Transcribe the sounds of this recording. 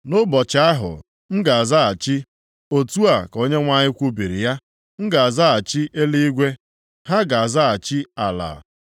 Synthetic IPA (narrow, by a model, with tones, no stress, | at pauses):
nʊ˦bɔ˨t͡ʃa˦a˦ɦʊ̰˨ | ŋ̩˦ɡa˨a˨za˦a˨t͡ʃi˦ | o˨tu˦a˨ko˦ɲe˦ŋʷa˦ɲɪ˦kʷu˦bi˨ɾi˨ja˦ | ŋ̩˦ɡa˨a˨za˦a˨t͡ʃi˦ʔe˦li˦i˦ɡʷe˦ | ha˦ɡa˨a˨za˦a˨t͡ʃi˦a˨la̰˨